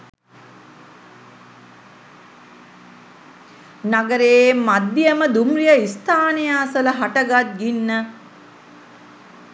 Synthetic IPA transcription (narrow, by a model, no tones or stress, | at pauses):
naɡəɾemad̪ːijəməd̪umrijəist̪ʰaːnejaːsələɦaʈəɡat̪̚ɡinːə